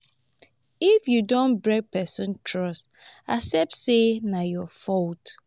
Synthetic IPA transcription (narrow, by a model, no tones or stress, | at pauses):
ifjudõnbɹɛk̚pɛsɔ̃ntʰɹɔst | asɛp̚tsenajɔfɔlt